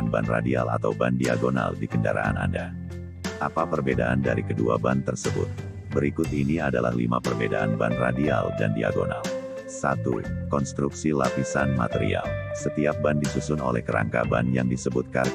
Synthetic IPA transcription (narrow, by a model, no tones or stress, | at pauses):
nbanradialat̪awbandiaɡona̰ldikəndaɾaːnanda | ʔapapərbedaʔandaɾikəduabant̪ərsəbʊt̪̚ | bəɾikʊt̪iniadalahlimapərbedaʔanbanradialdandiaɡonal | sat̪ukɔnst̪ɾuksilapisanmat̪əɾialsət̪iap̚bandisusʊnolɛhkəɾaŋkabanjaŋdisəbut̪̚kar